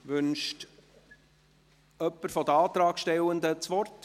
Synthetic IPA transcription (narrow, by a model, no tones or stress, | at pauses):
ʋʏnʃt | œpːəɾfɔd̪əɑːt̪ɾɑːɡʃtɛlənd̪ət͡sʋɔrt